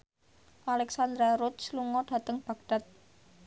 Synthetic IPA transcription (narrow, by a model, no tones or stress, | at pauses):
ʔalɛksand̪ɾaɾusluŋɔɖ̥ä̤t̪əŋb̥a̤ɡ̥̚ɖ̥a̤t̪̚